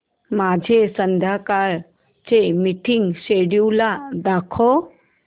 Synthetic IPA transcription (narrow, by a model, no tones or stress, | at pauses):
mad͡ʑʱesənd̪ʱakaɾ | t͡semiʈʰiŋseɽjuwlad̪akʰɔ